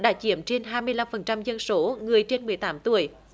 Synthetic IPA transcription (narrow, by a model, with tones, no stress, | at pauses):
ɗa̰ː˧˥t͡ɕi˧˥əmt͡ɕe˧nɦaː˧jmɨ˧əjla˧mfə˨˩nt͡ɕa˧mzə˧nso˨˦ŋɨ˨˩əjt͡ɕe˧nmɨ˨˩əjt̪aː˨˦mt̪u˧˩əj